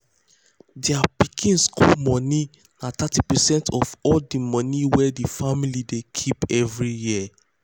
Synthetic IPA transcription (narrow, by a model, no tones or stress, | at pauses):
dɛapikʰĩnskomɔ̃ni | natʰatipɛsɛ̃ntʰɔvɔldimɔ̃niwɛdifamilidekʰipɛvɹijiə